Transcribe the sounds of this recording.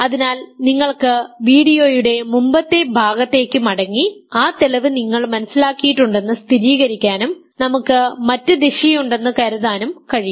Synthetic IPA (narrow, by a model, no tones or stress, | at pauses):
ɐðinaːlniŋːɐɭkɨʋiːɽijo̞ːjuɽe̞mumbɐt̪ːe̞bʱaːɡɐt̪ːe̞ːkʲːɨmɐɽɐŋːiaːt̪elɐʋɨniŋːɐɭmɐnɐsilaːkːijiʈːuɳɖe̞nːɨst̪iɾiːɣɐɾikʲːaːnum | nɐmukːɨmɐtːɨd̪eɕijuɳɖe̞nːɨkɐɾuðaːnumkɐɻiju